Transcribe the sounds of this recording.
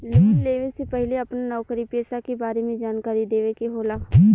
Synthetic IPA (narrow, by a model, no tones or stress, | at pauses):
leːkɪnleːʋẽsepɛɦleɐpnanɔːkəɾipeːsakebaːɾemẽd͡ʒaːnkaːɾid̪eːʋekeɦoːlakʰ